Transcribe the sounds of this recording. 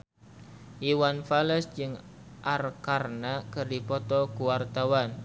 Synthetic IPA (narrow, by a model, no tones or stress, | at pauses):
ʔiwanfaləsd͡ʒɨŋ | ʔarkarnakərdipɔt̪ɔkuwart̪awan